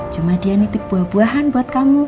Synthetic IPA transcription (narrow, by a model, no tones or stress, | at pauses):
t͡ʃumadianit̪ik̚b̥uahb̥uaɦanbuat̪̚kamu